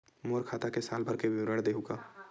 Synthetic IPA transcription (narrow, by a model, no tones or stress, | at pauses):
moːɾkʰaːt̪akesaːlbʱɐɾkebɪwɾəɽd̪eːɦuɡaː